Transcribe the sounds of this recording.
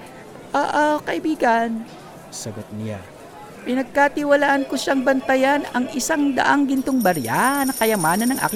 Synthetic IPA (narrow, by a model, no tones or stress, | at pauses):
ʔaʔakɐʔɪbiːɡɐn | sɐɡot̪̚nɪa̰ | pɪnɐɡ̚kat̪ɪwɐlaːʔɐnkoʃaŋbɐnt̪ɐjanɐŋʔɪsaŋd̪ɐ̰ʔaŋɡɪnt̪oŋbɐɾja̰nɐkɐjɐmaːnɐnːɐŋʔa̰ːkɪ